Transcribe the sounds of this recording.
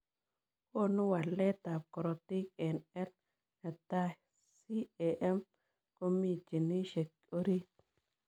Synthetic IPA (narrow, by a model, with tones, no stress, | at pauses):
ko˦˨nu˦wa˨lːɛ˦t̪a˨p̚kɔ˨ɾo˨t̪i˦kɛ˨nɛ˦l | a˨t̪a˦ | si˦e˨ʔɛ˦m | ko˦mi˦d͡ʒi˨ni˦ʃɛ˨k̚ | o˦ɾi˦